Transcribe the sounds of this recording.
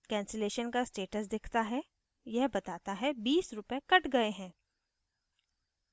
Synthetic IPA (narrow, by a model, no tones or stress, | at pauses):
kɛ̃ːnseleːʃənkasʈeːʈəs̬d̪ɪkʰt̪aɦɛ | jɛɦbɐt̪aːt̪aɦɛbiːsɾʊpekɐʈɡɐeɦɛ̃ː